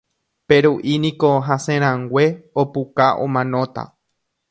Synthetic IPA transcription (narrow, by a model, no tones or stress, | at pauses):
pe̞ɾuʔinĩko̞ɦãsẽɾ̃ãŋɡʷe̞opukaʔõ̰mãnõ̞t̪a̰